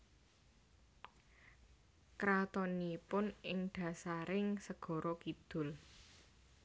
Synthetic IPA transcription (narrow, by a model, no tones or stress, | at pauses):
kɾat̪ɔnipʊnɪŋɖ̪̥ä̤saɾɪŋsəɡ̥ɔ̤ɾɔkid̪̥ʊ̤l